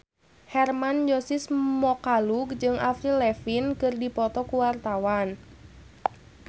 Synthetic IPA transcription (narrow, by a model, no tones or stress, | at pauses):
hɛrmand͡ʒɔsismɔkaluɡ̚d͡ʒɨŋafɾilɛfinkɨrdipɔt̪ɔkuwart̪awan